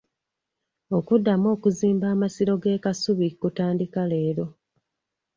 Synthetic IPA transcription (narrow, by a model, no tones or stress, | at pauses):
o̞kudːamo̞ːkuziːmbaːmasiɾo̞ɡe̞ːkasuβikutaːndikale̞ːɾo̞